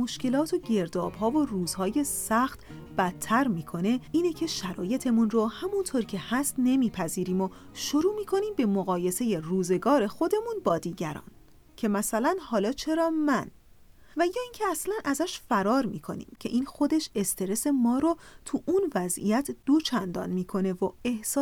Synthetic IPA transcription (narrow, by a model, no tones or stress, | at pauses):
mo̞ʃke̞lɒːt̪ʰoɟe̞ɾd̪ɒːb̥ɦɒːvoruːz̥hɒːje̞sæxt̪ | b̥æt̪ʰːæɾmiːkʰo̞ne̞iːnecʰe̞ʃæɾɒːje̞t̪ʰe̞munrohæmunt̪ʰoɾcʰe̞hæst̪ne̞miːpʰæziːɾiːmo | ʃo̞ɾuːmiːkʰo̞niːmbe̞moɣɒːje̞se̞je̞ruːze̞ɡɒːɾe̞xo̞d̪e̞munbɒːd̪iːɟæɾɒ̰ːn | cʰe̞mæsælænhɒːlɒːt͡ʃʰe̞ɾɒːmæn | væjɒːincʰeæslænʔæzæʃfæɾɒːɾmiːkʰo̞̰nḭːmcʰe̞ʔiːnxo̞d̪e̞ʃest̪ʰe̞ɾe̞se̞mɒːɾot̪ʰuʔunvæzḭjæt̪ʰd̪̥ot͡ʃʰænd̪ɒ̰ːnmiːkʰo̞ne̞voe̞hsː